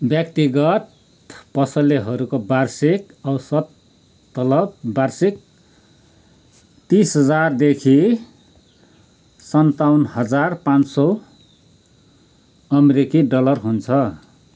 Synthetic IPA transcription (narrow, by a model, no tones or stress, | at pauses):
bjʌkt̪iɡʌt̪ | pʌsʌleɦʌɾukobarsik | ʌwsʌd̪̚ | t̪ʌlʌb̚barsik̚ | t̪isɦʌd͡zard̪ekʰi | sʌnt̪awnhʌd͡zarpãnsʌ | ʌmeɾikiɖʌlʌrɦunt͡sʰʌ